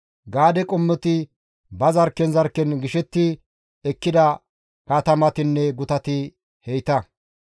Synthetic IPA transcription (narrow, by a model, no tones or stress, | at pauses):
ɡaːd̪ɛkʼɔmːɛt̪ɪ | bɐzɐɾkːɛnzɐɾkːɛnɡɪʃɛt̪ːɪ | ɛkːɪd̪ɐ | kaːt̪ɐmɐt̪ɪnːɛɡʊt̪ɐt̪ɪ | hɛjt̪ɐ